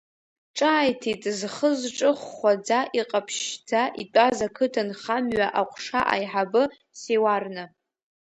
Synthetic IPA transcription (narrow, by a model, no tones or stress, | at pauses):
ʈ͡ʂʼaːjtʰitʼzχəzʈ͡ʂʼɨχːʷad͡zaʔiqʼapʰʃd͡zaʔitʷʼazakʰɨtʰanχamɥaʔaqʷʼʂaʔa̰jħabɨ | sewarnɨ